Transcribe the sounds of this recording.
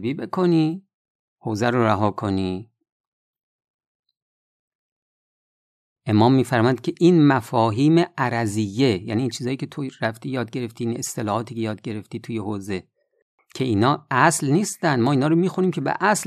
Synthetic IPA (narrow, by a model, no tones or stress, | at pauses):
biːbe̞kʰo̞niː | hoːzæɾoɾæɦɒːkʰo̞niː | ʔe̞mɒːmːiːfæɾmɒjæd̪̥̚kʲʰe̞ʔiːnmæfɒːɦiːmeʔæɾæzijːe̞jæ̰niːnt͡ʃʰiːzɒːjiːkʲcʰe̞t̪ʰoɾæft̪iːjɒːd̪̚ɟe̞ɾe̞ft̪iːiːne̞st̪ʰelɒːhɒːt̪ʰiːcʰejɒːd̪̚ɟe̞ɾe̞ft̪iːt̪ʰujehoːze̞ | cʰe̞iːnɒːæslniːst̪ænd̪mɒːiːnɒːɾomiːxuniːmcʰebḛʔæsl